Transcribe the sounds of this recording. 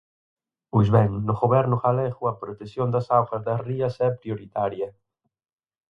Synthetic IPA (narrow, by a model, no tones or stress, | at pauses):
pojzβɛŋnʊɣoβɛɾnʊkalɛɣuɐpɾot̪esjond̪ɐsawɣɐzðɐriɐsɛpɾjoɾit̪aɾjɐ